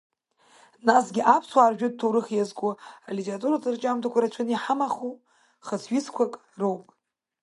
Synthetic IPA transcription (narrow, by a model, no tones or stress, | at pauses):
nasɡʲɪʔapʰswaːrʒᶣɨd̚tʰowɾɨχjazɡʷʊalʲetʲʰʼeratʼuɾat͡sʼɨrt͡ʃʼamtʰakʷʰaɾat͡ʃʷʰɨniħamaχu | χət͡sʰɥiskʷʰakʼ | rowpʼ